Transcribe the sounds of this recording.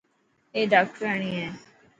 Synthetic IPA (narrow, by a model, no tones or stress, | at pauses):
eːɖaːk̚ʈɾəːɳiːɛː